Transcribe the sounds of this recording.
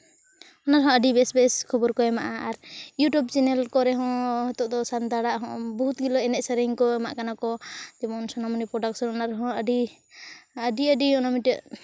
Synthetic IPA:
ɔnaɾɦɔ̃əɖibɛsbɛskʰɔbɔɾkɔɛmaʔaaɾjuʈjubt͡ʃɛnɛlkɔɾɛɦɔ̃hɔt̪ɔʔd̪ɔsand̪aɽaʔɦɔ̃bɔɦut̪̚ɡilɔɛnɛʔ̚saɾiiŋkɔamaʔkanakɔt̪ɛmɔnsɔnamɔnipɾɔɖaksɔnɔnaɾɛɦɔ̃əɖi | əɖiəɖiɔnamiʈəʔ

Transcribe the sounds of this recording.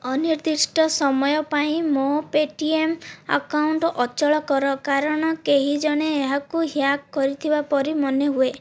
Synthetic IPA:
ɔniɾd̪isʈɔsɔmɔjɔpaĩmopeʈiema̰kauɳʈɔʔɔt͡ʃɔɭɔkɔɾɔkaɾɔɽ̃ɔkeɦid͡ʒɔɽ̃eːɦakuɦjakːɔɾit̪ʰibapɔɾimɔneɦue

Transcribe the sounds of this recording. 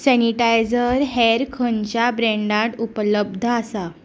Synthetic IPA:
sɛniʈajd͡zəɾɦeɾkʰəɲt͡ɕjabɾẽɳɖãʈupləbd̪ʱəasa

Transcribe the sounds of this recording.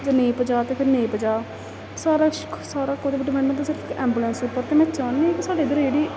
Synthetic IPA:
d͡ʒənẽːpəd͡ʒaːt̪eːpʰɪɾnẽːpəd͡ʒaː | saːɾaːsaːɾaːkoːd̪eːbiɖɪpʰɛ̃ːɳɖməɳt̪sɪɾəfkɛːmbuːlə̃nsʊpːəɾt̪eːmɛ̃ːt͡ʃaːnːeɛ̃kɪsaːɖeːd̪əɾeːɽiː

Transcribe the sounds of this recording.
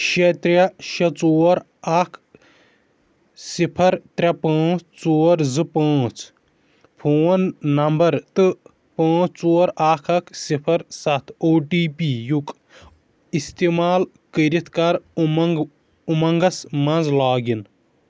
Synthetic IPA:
ʃɐt̪ɾʲɐʃɐt͡soːɾ | ɐkʰ | sipʰɐɾt̪ɾʲɐpãːt͡sʰt͡soːɾzɨpãːt͡s | pʰoːnːɐmbɐɾt̪ɨ | pãːt͡sʰt͡soːɾaːkʰɐkʰsipʰɐɾsɐt̪ʰoːʈiːpijuk | ist̪imaːl | kəɾit̪ʰkɐɾmŋɡ | umɐŋɡɐsmɐnzlaːɡin

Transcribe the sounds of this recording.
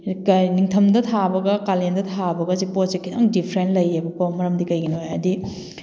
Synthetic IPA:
kniŋtʰɐmdɐt̪ʰabɐɡɐkalendɐtʰabɐɡɐziposekʰːidaŋdipʰɾentlɐjebɐkomɐɾɐmdikɐjɡinojɐdi

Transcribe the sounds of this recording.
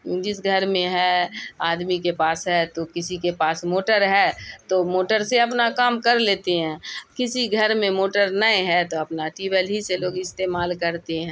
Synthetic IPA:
õːd͡ʒɪsɡʱɐɾmẽɦɛaːd̪mikepaːsɦɛt̪okɪsikepaːsmoːʈəɾɦɛːt̪omoːʈəɾseɐp̬nakaːmkɐɾleːt̪eɦɛ̃ːkɪsiɡʱɐɾmẽmoːʈəɾnəẽɦɛt̪oɐpnaʈiːbəlɦiseloːɡɪst̪eːmaːlkɐɾt̪eɦɛ̃ː

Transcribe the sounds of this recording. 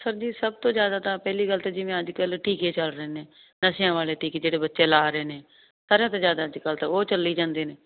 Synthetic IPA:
səɾd͡ʒiːsəb̚t̪õːzjaːd̪aːt̪ãːpɛːliːɡəlt̪ad͡ʒɪʋẽːəd͡ʒkəlʈʰiːkeːt͡ʃəlɾəeːnẽː | nəʃjãːʋaːleːʈiːked͡ʒeːɽeːbətːʃeːlaːɾəeːnẽː | saːɾãːt̪ãːzjaːd̪aːəd͡ʒkəlt̪ːoːt͡ʃəlːiːd͡ʒãːnd̪eːneː

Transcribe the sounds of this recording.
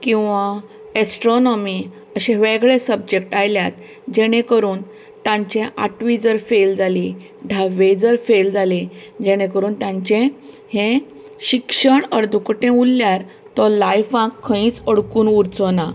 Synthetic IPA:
kĩw̃ʋa | esʈɾonɔmi | əɕẽʋẽɡɭesəb̚d͡ʑek̚ʈajljat̪̚ | d͡ʑeɽ̃ẽkəɾuːn | t̪ãɲt͡ɕẽʔa̰ʈʋid͡zəɾfeld͡zali | ɖʱaʋed͡zəɾfeld͡zaled͡ʑeɽ̃ẽkəɾuːnt̪jãɲt͡ɕẽ | hẽ | ɕikʂəɳəɾd̪ʱukʈẽulːjaɾ | t̪ɔlajfãkʰːə̃ĩːt͡səɽkuːnuɾt͡sɔna

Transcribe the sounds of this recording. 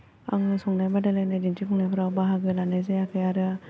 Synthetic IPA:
a̰ŋɯsɔŋnajbadalajnadintipʰɔŋnajbʰɯɾawbaɦaɡɯlanajzajakʰɯjaɾɯ

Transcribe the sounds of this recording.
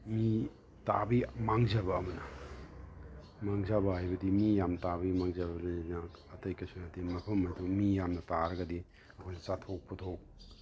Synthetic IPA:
mi | ta̰bimaŋzɐbɐːmɐnɐ | maŋzabɐɦajbɐdimijamtabimaŋzabɐɾinakɐtɐjkɐsunatimɐpʰɐmːɐjdumijamnɐtaɾɐɡɐdi | ɐkʰɔjnɐsatʰok̚pɐtʰok̚

